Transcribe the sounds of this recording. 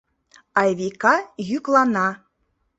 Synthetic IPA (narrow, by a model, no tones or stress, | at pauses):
ɑjβikɑjyklɑnɑ